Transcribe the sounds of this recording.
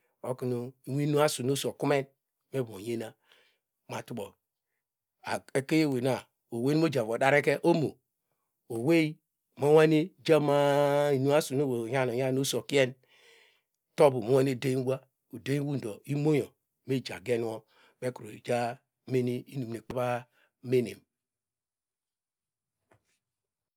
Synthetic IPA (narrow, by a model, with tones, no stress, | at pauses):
o˦ki˨˦nu˨i˦wi˦nu˦a˦su˨no˦so˨ku˦me˦n | me˦bo˨je˦na˨˦ | ma˨tu˦bo˨ | a˨e˨ke˦je˦˨we˨na˨ | o˨we˦o˦d͡ʒa˨vo˨da˦ɾe˦ke˦ʔo˦mo̰˨ | o˨we˦i˦˨ | mo˦wa˦ne˦d͡ʒa˦ma˦i˨nu˦a˦su˨no˦wo˨ja˦˨no˨ja˦no˦so˨ki˦e˦n | to˦bu˨mo˨˦wa˦ne˦˨de˦i˦ɡʷa˦ | o˨de˦wu˦n̩˨do˨i˦mo˦jo˨ | me˦˨d͡ʒa̰˨ɡe˦n˦o˦ | be˦ku˨ɾo˨d͡ʒa˦ | me˦ni˦i˦nu˨m˨e˨k͡pa˦ba˦ | me˦nḛ˨m